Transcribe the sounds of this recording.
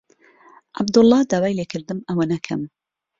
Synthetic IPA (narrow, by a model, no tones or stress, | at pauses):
ʔa̰bd̪ʊlˠˤːɑːd̪aːwaːjleːkʰɨɾd̪ɨmɐwɐnɐkʰɐ̰m